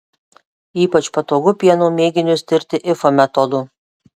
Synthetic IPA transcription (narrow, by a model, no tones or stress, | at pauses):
iːpɐt͡ʃpɐt̪oːɡʊpʲiɛnuːmʲeːɡʲɪnʲʊst̪ʲɪɾʲt̪ʲɪʔɪfomʲɛt̪ɔd̪ʊ